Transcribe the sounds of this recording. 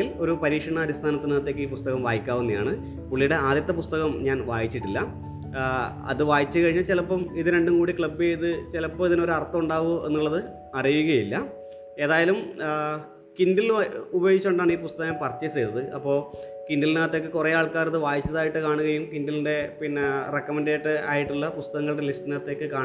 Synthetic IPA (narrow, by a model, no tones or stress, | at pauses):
ilo̞ɾupɐɾiːkʂɐɳɐːɾist̪ʰaːnɐt̪ːinaːt̪ːe̞kːɨiːpust̪ɐɣɐmʋaːjikʲːaːʋunːɐjaːɳɨ | puɭːijɽe̞aːd̪jɐt̪ːɐpust̪ɐɣɐmɲaːnʋaːjit͡ɕːiʈːilːɐ | ɐ̰ðɨʋaːjit͡ɕːɨkɐɻiɲːat͡ɕilɐpːɐmiðɨɾe̞ɳɖumkuːɽikɭɐbːeiðɨt͡ɕilɐpːoiðino̞ɾuɐrt̪ːɐmuɳɖaːʋue̞̰nːuɭːɐðɨ | ɐrijuɣɐjilːɐ | e̞ːðaːjɐlum | kindilubɐjoːɣit͡ɕːoɳɖaːɳiːpust̪ɐɣɐmpɐrɐt͡ɕːɐsejt̪ːɐðɨʔɐpːo̞ː | kindilnaːt̪ːe̞ːkːɨkurejaːɭkaːɾɐðɨʋaːjit͡ɕːɐðaːjiʈːɨkaːɳuɣɐjumkindilinde̞pinːrekːɐmenɖeːʈːɨa̰ːjiʈːuɭːɐpust̪ɐɣɐŋːɐɭɨɽe̞lisʈinaːt̪ːe̞ːkːɨkaː